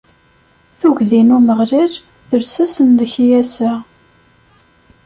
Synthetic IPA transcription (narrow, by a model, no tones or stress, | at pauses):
θuʝðinuməʁɾiɾ | ðəɾsæsənləçjæsə